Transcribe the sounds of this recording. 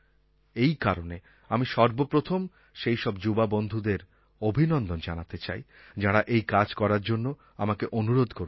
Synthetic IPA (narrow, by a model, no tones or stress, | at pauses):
ejkaɾone | amiʃɔɾbopɾot̪ʰom | ʃejʃɔbd͡ʑubabond̪ʱud̪eɾ | obʱinɔnd̪ond͡ʑanat̪et͡ɕa̰j | d͡ʑaɽaʔejkad͡ʑkɔɾaɾd͡ʑonːo | amakeʔonuɾod̪ʱkoɾ